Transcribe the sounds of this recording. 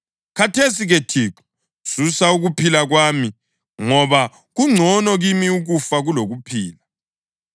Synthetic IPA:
kʰatʰesiɣetʰiǁu̥ | susauɣupʰilaɣwaːmi | ŋɔβa | ɣuŋ͡ǀʱɔnɔɣimiuɣufaɣuloɣupʰiːla

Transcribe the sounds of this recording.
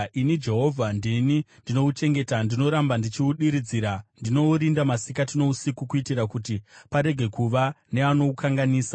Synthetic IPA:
inid͡ʒe̞ɦo̞vʱandinindino̞ut͡ʃe̞ŋɡe̞tandino̞ɾambandit͡ʃiuɗiɾid͡ziɾandino̞ɾindamasikatino̞usikukuitiɾakutipaɾe̞ɡʱe̞kuʋane̞ano̞ukʰaŋɡaniːsa

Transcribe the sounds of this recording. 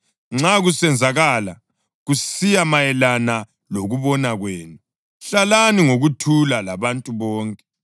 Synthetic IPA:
ŋ͡ǁaɣusɛnd͡zʱaɣaːla | ɣusijamajɛlana | loɣuβɔnaɣweːnu | ɬalaniŋoɣutʰulalaβantʼuβɔːŋkʼɛ

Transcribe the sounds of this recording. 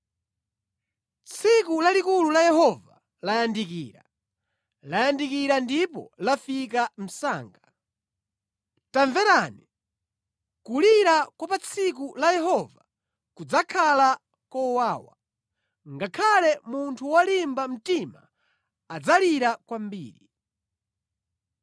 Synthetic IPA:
t͡sʰikulalikululajɛhɔva | lajandikiːɾa̰ | lajandikiɾandipɔ̰lafik̬am̩saːŋɡa | taɱvɛɾani | kuliɾakwapat͡sʰik̬ulajɛɦɔva | kud͡zakʰala | kɔwaːwa̰ | ŋɡakʰalɛmuntʰuwalimbam̩tima̰ | ad͡zaliɾakwambiːɾi

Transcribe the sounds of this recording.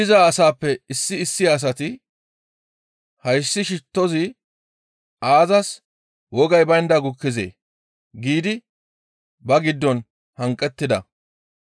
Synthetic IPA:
ɪzaːɐsaːpːɛɪsːɪːsːɪjaːs̬ɐt̪ɪ | hɐjsːɪʃɪt̪ːɔzɪ | ʔaːzɐs | wɔɡɐjbɐjɪnd̪ɐɡʊkːɪzḛː | ɡiːd̪ɪ | bɐɡɪd̪ːɔn | hɐŋkʼːɛt̪ːɪd̪ɐ̰

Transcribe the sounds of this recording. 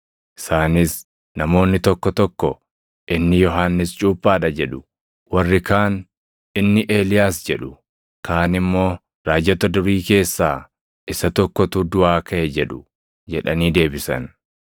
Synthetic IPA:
ʔɪ̥saːnɪs | nɐmo̞ːnːɪt̪ɔkːɔt̪ɔkːɔ | ʔɪnːɪjɔɦaːnːɪst͡ʃʼuːpʼːaːᶑɐd͡ʒɛᶑʊ̥ | wɐrːɪkaːn | ɪnːɪʔe̞ːlɪjaːsd͡ʒɛᶑʊ | kʰaːnɪmːo̞ː | ɾaːd͡ʒɐt̪ɐd̪ʊɾiːke̞ːsːaː | ʔɪsɐt̪ɔkːɔt̪ud̪ʊaːkʰɐʔɛd͡ʒɛᶑʊ | d͡ʒɛᶑɐniːd̪e̞ːbɪsɐ̰n

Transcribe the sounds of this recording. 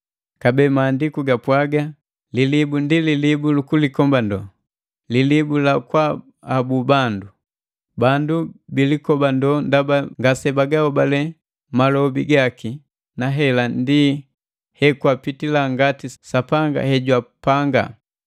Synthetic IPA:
kabɛmaːndikuɡapwaɡa | lilibundililibulukulikɔmbandɔ | lilibulakwaː | bubandu | bandubilikɔbandɔndabaŋɡasɛbaɡaɔbalɛ | malɔbiɡaki | naɦɛlandi | hɛkuapitilaŋɡatisapaŋɡa̰hɛɟwapaŋɡa̰

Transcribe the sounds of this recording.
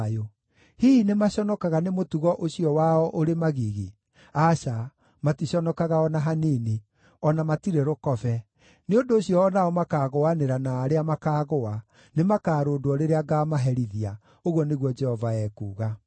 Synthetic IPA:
jo | hiːnemaɕɔnɔkaɣanemotuɣɔʔoɕiɔwaɔʔoɾemaɣiɣi | aɕa | matiɕɔnɔkaɣaɔnaɦanini | ɔnamatiɾeɾokɔvɛ | neondoːɕijɔːnaɔmakaːɣoaneɾanaːɾeamakaːɣoa | nemakaːɾoːdoɔɾeɾeaɡaːmaɦɛɾiðia | oɣwɔneɣwɔd͡ʒɛhɔvaɛːkuːɣa

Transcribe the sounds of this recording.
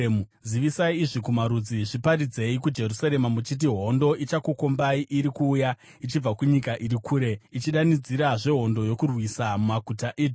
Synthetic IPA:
u | ziʋisaiːʐikumaɾud͡ziʐipaɾid͡ze̞ikud͡ʒe̞rusaɾe̞mamut͡ʃit̬iɦo̞ndo̞ʔit͡ʃakuko̞mbaiʔiɾikuːja | it͡ʃib͡vakuɲikaʔiɾikʰuːɾe̞it͡ʃiɗanid͡ziɾaʐe̞ɦo̞ndo̞jo̞kurwisamumakutaʔiːd

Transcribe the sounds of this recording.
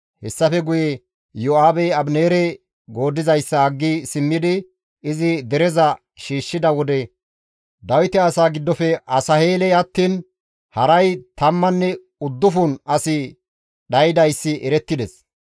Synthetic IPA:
hɛsːɐfɛɡʊjɛ | joaːbɛɐbneːɾɛ | ɡo̞ːd̪ːɪzɐjsːɐɐɡːisɪmːɪd̪ɪ | ɪzɪd̪ɛɾɛzɐ | ʃiːʃːɪd̪ɐwɔd̪ɛ | d̪ɐwɪt̪ɛɐsaːɡɪd̪ːɔfɛʔɐsɐheːlɛɐt̪ːiːn | hɐɾɐjt̪ɐmːɐnːɛ | ʊd̪ːʊfuːnɐsɪ | ɗɐjɪd̪ɐjsːɪʔɛɾɛt̪ːɪd̪ɛs

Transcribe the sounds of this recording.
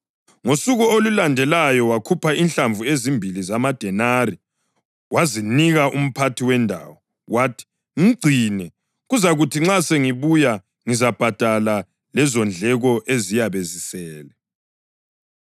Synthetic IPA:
ŋosuɣuolulandʱɛlajɔwakʰupʰainɬaɱvuezimbʱilizamad̥ʱɛnari | waziniɣaʔum̩pʰatʰiwɛndʱa̰ːwɔ | waːtʰi̥ | ŋiɡ͡ǀʱinɛ | ɣuzaɣutʰiŋ͡ǁaseŋiβuja | ŋizab̥ʱad̥ʱala | lɛzɔnd͡ɮʱɛɣɔʔezijaβezisɛːlɛ

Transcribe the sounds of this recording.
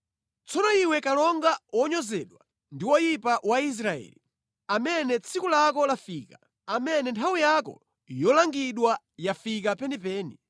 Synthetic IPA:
t͡sɔnɔiwɛkalɔŋɡawɔɲɔzɛɗwa | ndiwɔjipawais̬ɾaɛ̰ːli | amɛnɛt͡sʰikulakɔlafiːka | amɛnɛntʰawijakɔ̰ | jɔlaŋɡiɗwa | jafik̬apɛnipɛːni

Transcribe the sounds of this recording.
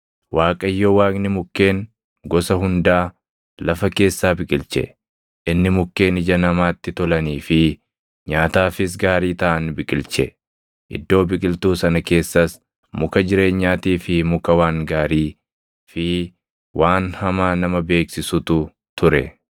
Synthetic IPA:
waːkʼɐjːoːwaːknɪmʊkːe̞ːŋ | ɡɔsɐɦʊnd̪aː | lɐfɐke̞ːsːaːbɪkʼɪlt͡ʃɛ̰ | ʔɪnːɪmʊkːe̞ːnɪd͡ʒɐnɐmaːt̪ːɪt̪ɔlɐniːfɪ | ɲaːt̪aːfɪs̬ɡaːɾiːt̪ɐʔɐnbɪkʼɪlt͡ʃɛ | ʔɪ̰d̪ːo̞ːbɪkʼɪlt̪uːsɐnɐke̞ːsːɐs | mʊkɐd͡ʒɪɾe̞ːɲːaːt̪iːfɪmʊkɐwaːŋɡaːɾiː | fɪ | wʔaːnhɐmaːnɐmɐbe̞ːksɪsʊt̪ʊ | t̪ʊɾɛ̰

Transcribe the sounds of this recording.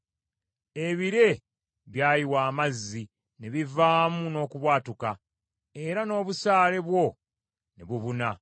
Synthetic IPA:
e̞βiɾe̞ | βjaːjiwaːmazːi | ne̞βivaːmuno̞ːkuβwaːtuka | e̞ɾano̞ːβusaːle̞βwo̞ | nḛβuβuna

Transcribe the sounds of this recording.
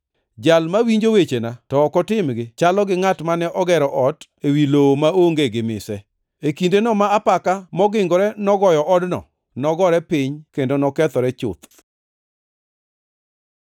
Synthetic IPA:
d͡ʒalmawiɲd͡ʒowet͡ʃenatɔːkɔtɪmɡɪt͡ʃalɔɡɪŋatmanɛʔɔɡɛɾɔʔɔt | ewilomaoŋɡeɡɪmɪ̰sɛ | ekindenɔmaːpakamɔɡɪŋɡɔɾɛnɔɡɔjɔʔɔdnɔ̰ | nɔɡɔɾɛpɪɲkendonɔkɛt̪ɔɾɛt͡ʃʊ̰t̪

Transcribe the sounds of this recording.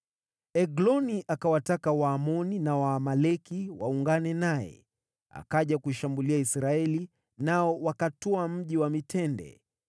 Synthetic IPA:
ɛɡlɔniʔakawatakawaːmɔninawaːmalɛkiwauŋɡanɛnaɛ̰ | a̰kaʄakuiʃambuliaisɾaɛli | naɔwakatɔam̩ʄiwamitʰɛndɛ̰

